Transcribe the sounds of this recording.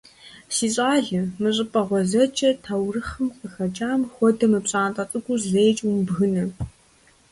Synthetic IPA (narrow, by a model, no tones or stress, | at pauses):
siːɕʼaːɮɨmɨɕʼɨpʼɐʁʷɔzɐt͡ʃʼɐtʰawrɨχɐmqʼəxɐt͡ʃʼaːmxʷɔdɐmɨpɕʼaːntʼɐt͡sʼɨɡʷʼʊzejt͡ʃʼwumbɣɨnɐ